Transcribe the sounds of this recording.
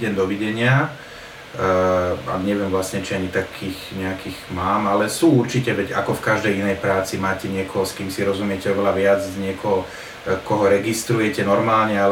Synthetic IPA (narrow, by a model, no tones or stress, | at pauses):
ɟɛmd̪ɔʋiɟɛɲɪa | a̰ɲɛʋɪɛmʋlasɲɛt͡ʃiaɲit̪akʰiːxɲɛakiːɣmaːmalɛsuːuɾt͡ʃicɛʋɛɟakɔfkaʒd̪ɛjinɛjpɾaːt͡simaːcɛɲɪɛkʰɔɦɔskiːmsiɾɔzumɪɛcɛɔʋɛlaʋɪad͡zɲɪɛkɔɦɔ | kɔɦɔɾɛɡist̪ɾujɛcɛnɔɾmaːlɲɛa